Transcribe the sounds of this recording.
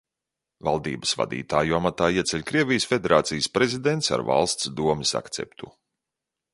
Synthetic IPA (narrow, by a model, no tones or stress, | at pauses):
valˠd̪iːbə̥sva̰d̪ḭːt̪aːjuamat̪aːiɛt̪sɛlʲkɾiɛvʲijəsfʲed̪eɾaːt̪sijəspɾezid̪ent̪sa̰ɾva̰lˠst̪sd̪uɔmisa̰kt̪sɛ̰pt̪u